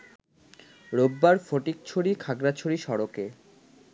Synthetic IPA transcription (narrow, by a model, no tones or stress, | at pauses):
ɾobːaɾfoʈik̚t͡ɕʰoɽikʰaɡɾat͡ɕʰoɽiʃɔɾoke